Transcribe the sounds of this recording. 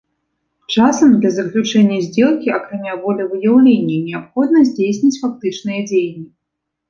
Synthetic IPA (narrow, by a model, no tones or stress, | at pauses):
t͡ʂasɐmd̪lʲɐzɐklʲut͡ʂɛnʲːɐzʲd͡zʲɛlˠkʲiɐkɾamʲavɔlʲɐvɨjawlʲenʲːɐnʲɛapxɔd̪nɐzʲd͡zʲejsʲnʲit͡sʲfak̚t̪ɨt͡ʂnɨjɐd͡zʲejnʲːi